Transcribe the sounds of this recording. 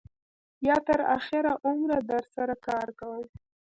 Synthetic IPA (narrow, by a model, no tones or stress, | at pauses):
jɑt̪əɾa̰xɪɾaʔʊmɾad̪əɾsaɾakɑɾkawəw